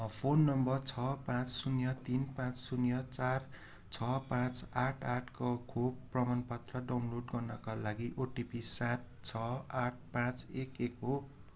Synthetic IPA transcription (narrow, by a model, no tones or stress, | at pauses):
pʰonːʌmbʌrt͡sʰʌpãt͡ssunjʌt̪inpãt͡ssunjʌt͡sar | t͡sʰʌpãt͡saʈʰaʈʰkokʰobːrʌmanpʌt̪rʌɖawnloɖɡʌrnʌkalaɡiʔoʈipisat̪̚ | t͡sʰʌaʈ̚ʰpãt͡sekeko